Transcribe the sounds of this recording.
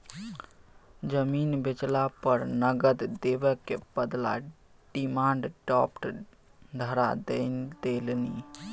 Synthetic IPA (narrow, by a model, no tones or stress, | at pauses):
d͡ʒəmiːnbɪt͡ʃlapəɾnəɡəd̪d̪eʋəkebəd̪la̰ | ɖ̥imãːɳɖʈɔːpʈ | d̪ʱəɾa̰d̪end̪elni